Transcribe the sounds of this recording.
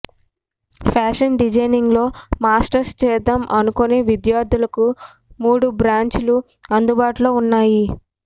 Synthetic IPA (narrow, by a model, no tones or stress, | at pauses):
pʰaːʂɐnɖid͡ʒɐjniŋɡlo̞ːmaːsʈɐɾst͡ʃɛːd̪ɐmʔɐnukoneːʋid̪jaːɾd̪ʱulɐku | muːɽubɾaːɲt͡ʃulu | ɐnd̪ubaːʈulo̞ːunːaːji